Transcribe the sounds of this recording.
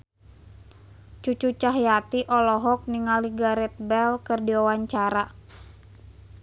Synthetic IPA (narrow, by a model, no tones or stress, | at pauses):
t͡ʃut͡ʃut͡ʃaɦjat̪iʔɔlɔɦɔk̚niŋaliɡaɾɛt̪̚bɛlkɨrdiawaɲt͡ʃaɾa